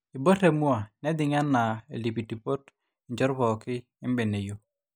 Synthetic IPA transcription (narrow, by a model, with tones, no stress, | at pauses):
i˨bo˦te˨˦mu˦a˨nɛ˦d̪ɪ˨ŋa˦nːa˨ḛ˨li˨p̬i˨ti˨po˦t | i˨ɲd͡ʒɔ˦ɾpɔ˨kɪ˦ | ɪ˦mbe˨ne˨jo˦